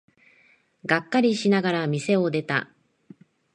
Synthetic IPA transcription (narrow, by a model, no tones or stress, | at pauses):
ɡakːaɾʲiɕinaɡaɾamʲise̞o̞d̪e̞t̪a̰